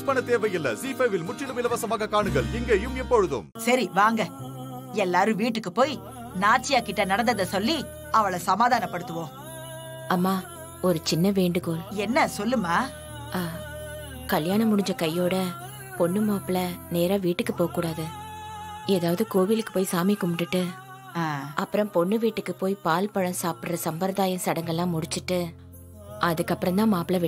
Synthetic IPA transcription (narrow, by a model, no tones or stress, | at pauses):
ʊspɐɳɐt̪eːʋɐjɪlːɐ̰siːpɐʋɪlmʊʈt͡ʃɪlɯʋɪlɐʋɐsɐmaːɣɐkaːɳɯɣɐɭɪŋɡeːjɯmɛpːɔɻɯðɯ̰msɐɾiʋaːŋɡɐ | ɛlːaːɾɯ̃ʋiːʈ̬ːɯkːɯpoːj | naːt͡ʃːɪjaːkɪʈːɐnɐɽɐnd̪ɐðɐsɔlːi | ɐʋɐɭɐsɐmaːðaːnɐpːɐɽɯt̪ːɯʋõː | ɐmːaː | ɔɾɯt͡ʃɪnːɐʋeːɳɖɯkoːlɛnːɐsɔlːɯmaː | aː | kɐljaːnɐmʊɽɪɲd͡ʒɐkɐjːoːɽɐ | pɔɳːɯmaːpɪlɐneːɾaːʋiːʈːɯkːɯpoːɐkːuːɽaːðɯ | eːðaːʋɐðɯkoːʋilɯkːɯ̥poːjsaːmikʊmʈːɯʈːɯ | aːɐpːɯɾɐ̃mpɔɳːɯʋiːʈːɯkːɯpoːjpaːlpɐɻɐ̃saːpʈrɐsɐmbɐɾðaːjɐ̃sɐɽɐŋɡɐlːãːmʊɽɪt͡ʃːɯʈːɯ | ʔɐðɯkːɐpːɾɐ̃nt̪ãːmaːpɪlɐʋɪ